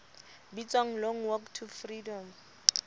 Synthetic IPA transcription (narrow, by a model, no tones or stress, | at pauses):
bit͡sʼwaŋ̩lɔŋ̩wɔktʰufridɔm